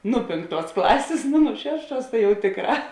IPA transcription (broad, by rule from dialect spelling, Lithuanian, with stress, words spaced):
ˈnʊ ˈpʲeːŋkˌtuɔs ˈklˠɑːsʲeːs ˈnʊ nʊ ˈʃʲæːʃˌtuɔs tɐ jɛʊ ˈtʲeːkˌrɑː